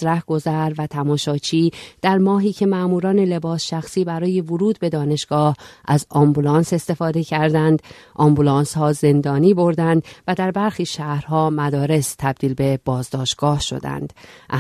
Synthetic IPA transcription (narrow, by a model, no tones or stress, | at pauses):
ɾæhɡ̥o̞zæɾvæt̪ʰæmɒːʃɒːt͡ʃʰiːd̪̥æɾmɒːɦiːcʰe̞mæʔmuːɾɒːne̞le̞bɒːsʃæxsiːbæɾɒːje̞voɾuːd̪̚be̞d̪ɒːne̞ʃɡ̥ɒːhʔæzɒmbulɒːnse̞st̪e̞fɒːd̪e̞cʰæɾd̪ænd̪ | ʔɒmbulɒːnshɒːze̞nd̪ɒːniːbo̞ɾd̪ænd̪væd̪æɾbæɾxiːʃæhɾɦɒːmæd̪ɒːɾe̞st̪ʰæb̚d̪iːlbe̞b̥ɒːzd̪ɒːʃt̪̚ɡ̥ɒːhʃo̰d̪æ̰nd̪̥ʔ